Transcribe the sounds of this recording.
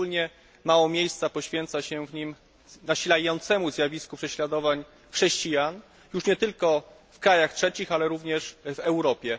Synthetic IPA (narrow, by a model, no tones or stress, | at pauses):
ulɲɛ | mawɔmʲjejst̪sapɔɕfʲjɛnt̪saɕɛvɲim | naɕilajɔnt̪sɛmuzʲjavʲiskupʂɛɕlad̪ɔvaɲ | xʂɛɕt͡ɕijan | juʂɲɛt̪ɘlkɔ | fkɾajaxtʂɛt͡ɕixalɛɾuvɲɛʂvɛwɾɔpʲjɛ